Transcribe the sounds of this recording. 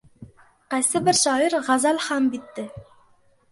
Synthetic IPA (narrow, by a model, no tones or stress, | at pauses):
qæsɘbɘɾʃɑiɾʁɑzɑlχɑmbit̪ːɘ